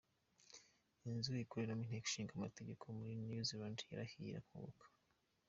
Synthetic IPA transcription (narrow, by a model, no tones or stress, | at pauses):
inzuikuɾenomin̥eku̥ʃiːŋɡamateɟe̞kʰomuɾinjuzilandja̰ɾahḭɾa̰kuβo̰kʰḁ